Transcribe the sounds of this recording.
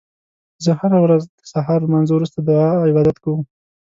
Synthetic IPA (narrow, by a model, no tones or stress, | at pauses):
zəhaɾawɾazd̪əsaɦɑɾmanzowɾust̪ad̪əɪbɑd̪at̪kawəm